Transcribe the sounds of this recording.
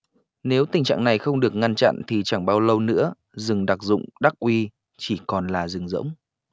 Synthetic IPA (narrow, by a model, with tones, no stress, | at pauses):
ne˨˦wt̪ï˨˩ŋ̟t͡ɕa̰ː˧˨ŋna˨˩jxə˧wŋ͡mɗɨ˨˩ək̚ŋa˧nt͡ɕa̰˧˨nt̪ʰi˨˩t͡ɕa˧˩ŋɓaː˧wlə˧wnɨ̰˧˥ə | zɨ˨˩ŋɗa˨˩k̚zʊ̰˧˨ŋ͡mɗa˦˥k̚ʔwi˧ | t͡ɕi˧˩kɔ˨˩nlaː˨˩zɨ˨˩ŋzə̰˧˥wŋ͡m